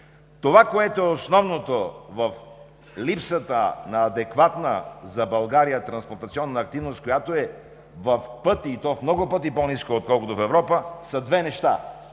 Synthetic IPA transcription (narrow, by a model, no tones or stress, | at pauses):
t̪ovakoɛt̪oɛosnɔvnot̪ovɐf | lipsət̪ənɐːd̪ɛkvat̪nəzɐbɐlˠɡaɾijət̪ɾɐnspoɾt̪ɐt̪siɔnːəːk̚t̪ivnost̪̚kojat̪oɛ | vɐfpɤt̪iːt̪ɔfmnɔɡopɤt̪iponiskoːt̪̚kɔlˠkot̪ofɛvɾɔpəsɐd̪vɛnɛʃt̪a̰